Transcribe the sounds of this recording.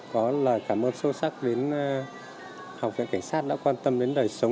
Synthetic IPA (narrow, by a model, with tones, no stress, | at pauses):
kɔ˨˦ləː˨˩jkaː˧˩mʔəː˧nso˧sa˦˥k̚ɗe˨˦n | ha˨˩wk͡p̚vḭ˧˨ŋka˧˩jŋ̟saː˦˥t̚ɗa̰ː˧˥kwaː˧nt̪ə˧mɗe˨˦nɗəː˨˩jsə˨˦wŋ͡m